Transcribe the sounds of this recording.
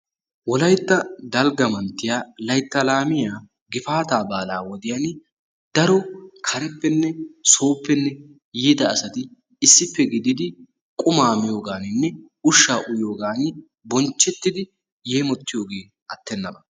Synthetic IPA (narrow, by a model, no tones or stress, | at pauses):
wɔlɐjt̪ːɐd̪ɐlɡɐmɐnt̪ːɪjaːlɐjt̪ːɐlaːmɪjaː | ɡɪfaːt̪aːbaːlaːwɔd̪ɪjan | d̪̥ɐɾɔkʰɐɾɛpːɛnːɛso̞ːpːɛnːɛ | jiːd̪ɐːsɐt̪ɪː | sːɪpːɛɡɪd̪ɪd̪ɪ | kʼʊmaːmɪjo̞ːɡaːnɪnːɛ | ʊʃːaːʔʊjo̞ːɡaːnɪ | bɔnt͡ʃːɛt̪ːɪd̪ɪ | jeːmɔt̪ːɪjo̞ːɡe̞ː | ɐt̪ːɛnːɐbɐ